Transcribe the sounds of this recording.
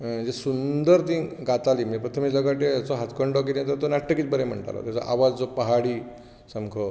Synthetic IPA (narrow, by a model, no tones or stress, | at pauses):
d͡ʑesund̪əɾt̪ĩːɡat̪aliːmipɾət̪ʰəmiləɡəʈeat͡soɦat̪kʰəɳɖok̬id̪et̪̬əɾt̪onaʈʰʈːəkit͡s̪bəɾem̤ə̰ɳʈa̰lo̰t̪jat͡sɔ̰ʔaʋad͡zd͡zopəɦaɽiː | səmkʰo